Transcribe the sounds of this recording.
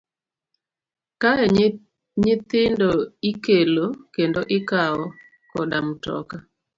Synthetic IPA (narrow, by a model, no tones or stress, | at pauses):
kaɛ | ɲɪt̪ɪndoikelokendoʔɪkaɔ | kɔdamtɔ̰ka